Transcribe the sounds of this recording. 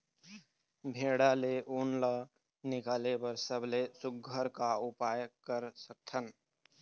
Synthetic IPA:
bʱeːɽaleʔunlə | nɪkaːlebəɾsəblesʊɡʱəɾkaʊpaːjkəɾsək̚t̪ʰən

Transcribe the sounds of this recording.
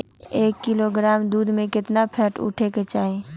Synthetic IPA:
eːkːɪloɡɾaːmd̪uːd̪ʱmẽkɪt̪napʰɛːʈʊ̰ʈʰeket͡ʃaːɦe

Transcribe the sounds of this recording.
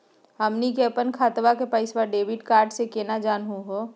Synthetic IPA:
ɦəmnikeəpənkʰaːt̪ʋakepəɪsʋaɾɖeːʋɪɖkaːɾɖsekeːnad͡ʒaːnɦũɦoː

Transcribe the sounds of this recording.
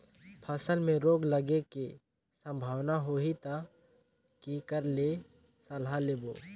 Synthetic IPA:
pʰəsəlmẽɾoːɡləɡeke | sə̃mbʱaːwnaɦoit̪a | kikəɾle | səlɦaleːboː

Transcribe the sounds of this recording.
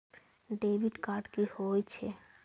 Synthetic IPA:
ɖebʱiɖkaɾɖkihojt͡ɕʰḛ

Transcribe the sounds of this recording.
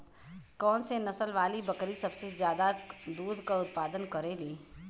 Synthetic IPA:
kɔːnsenɐsəlʋaːlibɐkɾisɐbsezjaːd̪ad̪uːɾd̪kaʊt̪̚paːd̪ənkɐɾeliː

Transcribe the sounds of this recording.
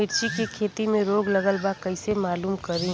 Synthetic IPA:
ɪɾt͡ʃikikʰeːt̪imẽɾoːɡlɐɡəlbakɐɪsemaːluːmkɐɾĩ

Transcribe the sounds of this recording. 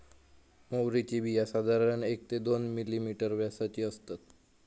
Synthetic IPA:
mowɾit͡ɕibʱijasad̪ʱaɾɾəɳek̚t̪ed̪onmilimiʈəɾʋjasat͡ɕiːəst̪at̪

